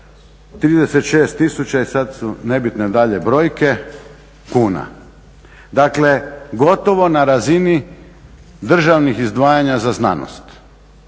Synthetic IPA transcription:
t̪ɾiːd̪eset̪ʃe̞ːst̪ːisut͡ɕaisad̪sune̞bit̪ne̞d̪aʎe̞bɾo̞ːjke̞ | kuːna̰ | d̪akle̞ɡo̞t̪oʋo̞naɾazini | d̪r̩ʒaʋnixizd̪ʋaːjaɲazazna̰no̰st̪

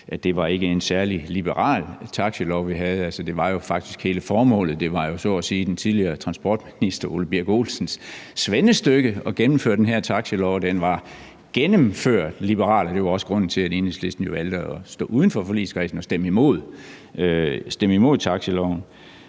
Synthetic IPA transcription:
ʔæd̥e̝ʋɑ̈e̝ɡ̥əe̝nsæɐlilib̥əʁɑ̰̈ːlt͡sʰɑ̈ɡ̥ɕəlɒʊʋiɦæð̞̩ˠælsəd̥e̝ʋɑ̈jo̝fɑ̈ɡ̥d̥isɡ̥he̝ːləfɒːmɔ̰̽ːlð̩ˠd̥e̝ʋɑ̈jo̝sɒɒsiːd̥ent͡sʰið̞ˠliɐːt͡sʰʁɑ̈nsb̥ɒ̰ːd̥minisd̥ɐoləb̥iɐ̰ɡ̥o̝̰ːlsn̩sːʋenəsd̥øɡ̥əɒ̽ɡ̥enm̩fø̰ɐ̰d̥enɦæɐ̰t͡sʰɑ̈ɡ̥ɕəlɒʊd̥enʋɑ̈ | ɡ̥enəmføɐ̰d̥lib̥əʁɑ̰̈ːlɒd̥e̝ʋɑ̈ɒ̽sə̥ʁɔ̽n̰n̩t͡sʰe̝læde̝ːnesle̝sd̥n̩jo̝ʋæld̥ɒsd̥ɔ̰̽ːʔuːð̞ˠn̩fɒfɒ̽lḭːskʰʁḭːsn̩ɒ̽sd̥em̰imo̝ð̰ˠ | sd̥eməimo̝ð̞̰ˠt͡sʰɑ̈ɡ̥ɕəlɒʊ̰n

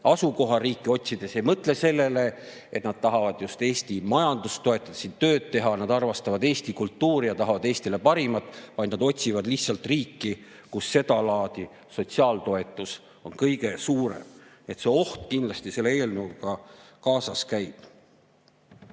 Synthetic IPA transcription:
ɑsuko̞ɦɑriːkːˑio̞t̪ʲsid̪̥e̞sejmɤt̪ˑle̞se̞lːe̞le̞ | et̪nɑd̪̥̚t̪ɑɦɑvɑd̪̥just̪e̞ːst̪imɑjɑnd̪ust̪o̞e̞t̪ːˑɑd̪̥ɑ̥sint̪ø̞ːd̪̥̚t̪e̞ɦɑnɑd̪ɑrvɑst̪ɑvɑd̪eːst̪ikult̪ːuːɾijɑt̪ɑɦɑvɑd̪eːst̪ile̞pɑɾimɑt̪ːˑvɑjd̪nɑd̪o̞tʲsivɑd̪lihtsɑlt̪riːkːi | kusːe̞d̪̥ɑlɑːd̪̥i | so̞t̪ʲsiɑːlt̪o̞e̞t̪ːˑus | o̞nkɤjɡ̥e̞suːɾḛmniet̪se̞o̞ht̪kind̪lɑst̪ise̞lːee̞ːlnəwɡɑkɑːsɑskæjb̪̥

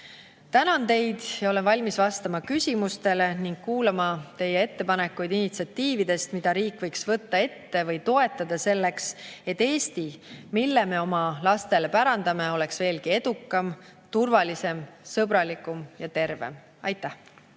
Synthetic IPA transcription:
t̪ænɑnt̪e̞jd̪̥jɑo̞lenvɑlʲmisvɑst̪ɑmɑkysʲimust̪e̞le̞niŋɡ̥̚kuːlɑmɑt̪e̞jːee̞t̪ːe̞pɑne̞kːˑujd̪̥init̪siɑt̪ːiːvid̪̥e̞st̪mid̪̥ɑɾiːkːˑvɤ̞jksvɤ̞t̪ːɑe̞t̪ːe̞vɤjt̪o̞e̞t̪ːˑɑd̪̥ɑse̞lːe̞kse̞t̪ːe̞ːst̪imilːeme̞o̞mɑlɑst̪e̞le̞pæɾɑnd̪ɑme̞o̞le̞ksve̞ːlkie̞d̪̥ukːˑɑm | t̪urvɑlise̞msɤbɾɑlikumjɑt̪e̞rvḛm | ɑjt̪ːˑæh

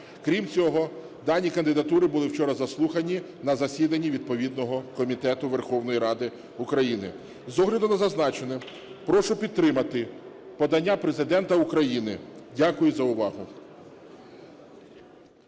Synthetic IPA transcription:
kɾʲimt͡sʲɔɦɔ | d̪ɑnʲikɐnd̪ɪd̪ɐt̪uɾɪbʊlˠɪwt͡ʃɔɾɐzɐslˠuxɐnʲi | nɐzɐsʲid̪ɐnʲːiʋʲid̪̚pɔʋʲid̪nɔɦɔkɔmʲit̪ɛt̪ʊʋerxɔwnɔjiɾɑd̪ɪ | ʊkɾɐjinɪ̰ | zɔɦlʲɐd̪ʊnɐzɐznɑt͡ʃenɪ | pɾɔʃʊpʲid̪̚t̪ːɾɪmɐt̪ɪ | pɔd̪ɐnʲːapɾezɪd̪ɛnt̪ɐʊkɾɐjinɪdʲakʊjʊzɐʊʋɑɦʊ

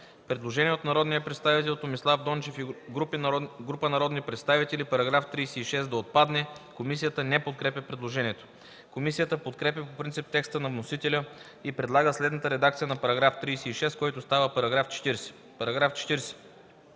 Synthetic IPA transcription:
pɾɛd̪lˠoʒɛniɛot̪nɐɾɔd̪nijəpɾɛt̪st̪avit̪ɛlˠt̪omislˠavd̪ɔnt͡ʃɛfiɡɾupinɡɾupənɐɾɔd̪nipɾɛt̪st̪avit̪ɛlipɐɾɐɡɾaft̪ɾiːsɛiʃɛsd̪ɐot̪̚pad̪nɛkomis̬ijət̪ənɛpot̪̚kɾɛpʲjəpɾɛd̪lˠoʒɛniɛt̪o̥ | komisijət̪əpot̪kɾɛpʲjəpopɾint̪sip̚t̪ɛkst̪ənɐvnosit̪ɛlʲə | ipɾɛd̪lˠaɡəslɛd̪nət̪əɾɛd̪ak̚t̪sijənɐpɐɾɐɡɾaft̪ɾiːsɛiʃɛskɔjt̪ost̪avəpɐɾɐɡɾaft͡ʃɛ̥t̪iɾsɛ̥ | pɐɾɐɡɾaft͡ʃɛ̥t̪iɾsɛ̥

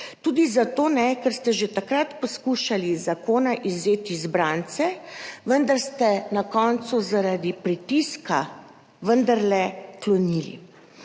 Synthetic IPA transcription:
t̪uːd̪izat̪oːnɛkɛɾst̪ɛʒet̪akɾat̪pɔskuʃalizakoːnaʔizeːt̪izbɾaːnt̪sɛʋənd̪aɾst̪ɛnakɔnt̪suzaɾad̪ipɾit̪iska | ʋənd̪aɾlɛklɔnilḭ

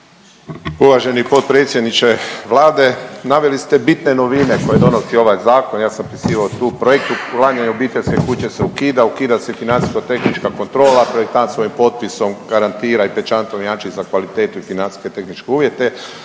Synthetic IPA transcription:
uʋaʒe̞nipo̞t̪̚pɾet̪sʲjed̪nit͡ʃe̞ʋlˠaːd̪e̞naʋelist̪e̞bit̪ne̞no̞ʋine̞ko̞je̞d̪o̞nosio̞ʋajzaːko̞njaːsampisiːʋaot̪uːpɾojek̚t̪ulaɲaɲeobiːt̪eʎʲske̞kut͡ɕe̞seukiːd̪aukiːd̪asefinant̪i̥skat̪e̞xnit͡ʃkako̞nt̪ɾo̞ːlapɾoek̚t̪ansʋo̞jimpo̞t̪̚piso̞mɡaɾant̪iːɾaipet͡ʃant̪onjaːnt͡ʃizakʋalit̪e̞ːt̪uifinant̪i̥sket̪e̞xnit͡ʃkeuːʋje̞t̪e̞

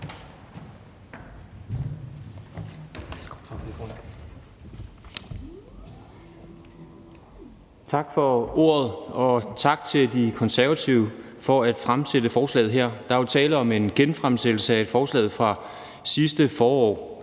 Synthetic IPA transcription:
t͡sʰɑ̈ɡ̥fɒ̽o̝̰ɐ̰ð̞ˠɒ̽t͡sʰɑ̈ɡ̥t͡sʰe̝ld̥ikʰɒ̽nsæɐʋæt͡sʰiʊfɒ̽æd̥fʁamsedəfɒːslɛ̰ːðˠɦeɐ̰d̥ɑ̈ʋelt͡sʰɛːləɒ̽me̝nɡ̥enfʁamsel̥l̩səæe̝d̥fɒːslɛ̰ːðˠfʁɑ̈ | sisd̥əfɒːɒ̰ː

